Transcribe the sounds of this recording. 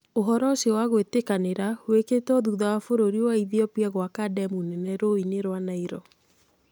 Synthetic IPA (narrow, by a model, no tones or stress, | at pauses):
oɦɔɾɔswaɣwetekaneɾaweketɔðuðawafoɾoɾiwaiðiɔpiaɣwakadɛmunɛnɛɾoineɾwanaiɾɔ